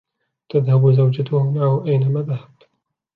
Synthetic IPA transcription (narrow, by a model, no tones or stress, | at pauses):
t̪aðhabzawd͡ʒat̪ʊhʊmaʕhʊʔajnamaðahab̚t̪